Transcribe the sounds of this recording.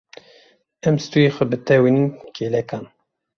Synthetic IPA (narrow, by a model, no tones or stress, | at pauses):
ɛmst̪ujexʷɛbɨt̪ɛwininkʰeːlɛkɑːn